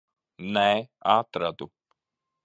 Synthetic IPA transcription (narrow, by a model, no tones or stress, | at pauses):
nɛaːt̪ɾad̪u